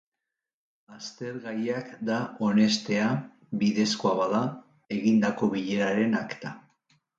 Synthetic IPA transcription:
ast̪e̞ɾɣaɾiakd̪ao̞ne̞st̪e̞a | βiðe̞sko̞aβaða | e̞ɣind̪ako̞βiʎe̞ɾaɾe̞nakt̪a

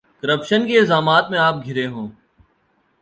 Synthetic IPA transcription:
kəɾəpʃənkeɪlzaːmaːt̪mẽaːp̚ɡʱɪɾeɦõː

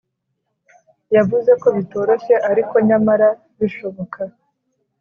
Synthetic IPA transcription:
javuze̞ko̞βito̞ːɾo̞ʃe̞ʔaɾiko̞ɲamaɾa | βiʃo̞βo̞kʰa

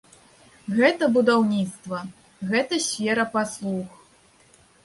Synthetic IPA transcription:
ɣɛt̪ɐbud̪awnʲit̪st̪vɐ | ɣɛt̪ɐsʲfʲɛɾɐpaslˠux

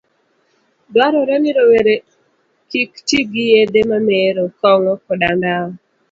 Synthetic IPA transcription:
dwaɾɔɾɛnɪɾɔweɾe | kiktiɡijed̪emameɾɔkɔŋɔkɔdandaɔ

